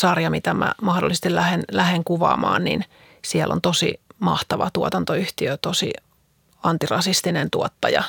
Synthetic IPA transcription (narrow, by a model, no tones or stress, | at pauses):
sɑrjɑmit̪æmæ̰mɑhdolːˑist̪ilæhenlæheŋkuʋɑ̰ːmɑːnnḭn | siɛlːʔo̰nt̪osḭmɑht̪ɑʋɑt̪uot̪ɑnt̪oyht̪iøt̪osḭ | ɑnt̪irɑsist̪inent̪uot̪ːɑjɑ̰